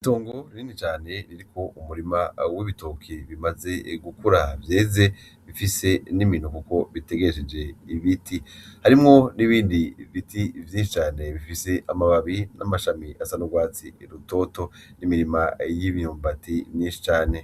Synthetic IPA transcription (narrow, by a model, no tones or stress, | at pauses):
ito̞ːŋɡo̞ninit͡ʃaːne̞ɾiɾikʰo̞ʔumuɾimawiβitokʰiβimaze̞ɡukuɾavje̞ːze̞ | βifise̞nimin̥ukuko̞βite̞ɡeʃed͡ʒe̞iβitihaɾimŋo̞niβiːndivitivjiːnʃi̥t͡ʃaːne̞βifise̞ʔamaβaβinʔa̰maʃamiʔasanoɡwaːt͡siɾuto̞to̞ | nimiɾimajiβijoːmbativɲĩːnʃi̥t͡ʃaːne̞